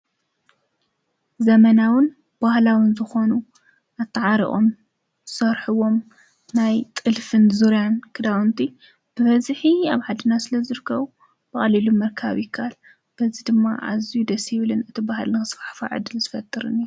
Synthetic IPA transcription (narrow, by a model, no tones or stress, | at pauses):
zɐmɐnawɨn | b̥ahlawɨnzɨxo̞nu | ʔat̪ʰːɐʕaɾḭʔʼo̞̰m | z̥ɨsɐɾħɨwo̞m | najt̪ʼɨlfɨnzuɾjankʰɨd̪awnt̪ʰi | b̥ɨβɐzħiaβħad̪ɨnasɨlɐzɨɾɨkʰːɐβu | b̥ɐxʼɐlilumɐɾkʰa̰βjɪkʰːal | b̥ɐzid̪ɨmːa̰ʔa̰zijud̪ɐsjɪβlɨnɨt̪ʰibaɦa̰lnɨxɨsfḁħfa̰ʕɨ̰d̪ɨlzɨfɐt̪ʼːɨɾɨ̰nːi